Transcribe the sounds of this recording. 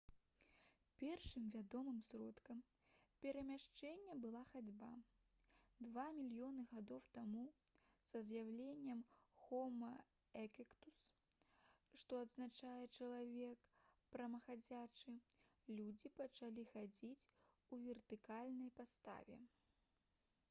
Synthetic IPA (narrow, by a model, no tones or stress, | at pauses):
pʲɛrʂɨmvʲad̪ɔmɨmsɾɔt̪kɐm | pʲɛɾɐmʲaʂt͡ʂɛnʲːɛbɨlˠaxad͡zʲba | d̪vamʲilʲjɔnɨɣad̪ɔwt̪amusɐzjawlʲenʲːɛmxɔmɐ | ɛkʲikt̪us | ʂt̪ɔɐd̪znat͡ʂajɛt͡ʂɐlˠavʲɛkpɾɐmɐxad͡zʲat͡ʂɨlʲud͡zʲipɐt͡ʂalʲixad͡zʲit͡sʲ | uvʲɛrt̪ɨkalʲnɐjpast̪a̰vʲɛ̰